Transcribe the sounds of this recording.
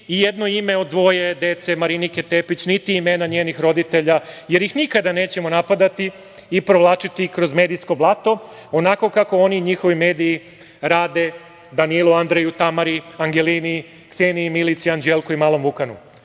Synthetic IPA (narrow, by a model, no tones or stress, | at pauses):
ijed̪no̞ime̞od̪d̪ːʋo̞je̞d̪e̞t̪se̞maɾinike̞t̪epit͡ɕnit̪iime̞ːnaɲeːnixɾo̞d̪it̪e̞ʎaje̞ɾjixnikad̪ane̞ːt͡ɕe̞mo̞napad̪at̪iː | pɾoʋlˠaːt͡ʃit̪ikɾo̞zme̞ːd̪isko̞blˠat̪o̞onako̞kako̞o̞niɲixo̞ʋime̞ːd̪iji | ɾaːd̪e̞ | d̪anilˠuand̪ɾejut̪amaɾiaŋɡe̞lini | ksenimilit̪siand͡ʒelˠkoimaːlˠo̞mʋukanṵ